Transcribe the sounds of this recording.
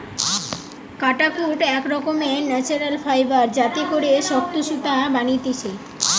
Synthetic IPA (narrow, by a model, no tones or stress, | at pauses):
kaʈakʰuʈɛkɾɔkomenɛt͡ɕuɾalfajbaɾd͡ʑat̪ekoɾeʃɔkt̪uʃut̪abanit̪it͡ɕʰe